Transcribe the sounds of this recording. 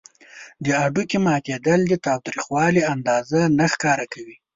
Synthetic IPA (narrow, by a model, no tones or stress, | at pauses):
d̪əaɖukemɑk̪ed̪əld̪ət̪ɑwt̪ɾixwɑliand̪ɑzanaxkɑɾakawi